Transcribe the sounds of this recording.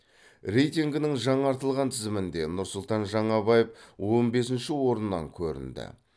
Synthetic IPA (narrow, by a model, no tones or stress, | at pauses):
rʲe̞jt̪ʲiŋɡʲɪnɪŋʒɑɴɑɾt̪əlˠʁɑnt̪ʰɪzɪmɪnd̪e̞nʊɾsʊlˠt̪ɑnʒɑɴɑbɑjefwo̞nbe̞sɪnʃɪwo̞ɾənːɑ̰ŋkʲʰɵɾɪ̰nd̪ɪ̰